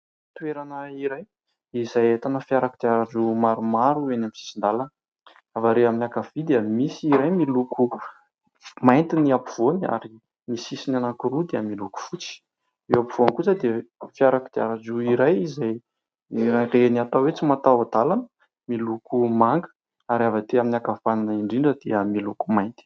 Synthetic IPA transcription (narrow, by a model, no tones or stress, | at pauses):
t̪ueɾanəiɾaj | izajet̪anəfiaɾakid̪̥iaɾad͡ʒumaɾumaɾuenamisi̥sind̪alanə | avaɾeaminakavid̪eəmisiiɾajmilukʰu | majnt̪iniapuv̥ona̰ɾi | misisinanakuɾud̪eəmiluku̥fut͡si̥ | ewapiv̥oankut͡sad̪efijaɾakid̪̥ea̰ɾazuiɾajizaj | ɾareeniat̪awet͡simat̪aad̪alanə̥ | milukumaŋɡə̥ | aɾiavat̪eaminakafananaiɳɖ͡ʐiɳɖ͡ʐəd̪̥eəmiluku̥majnt̪i̥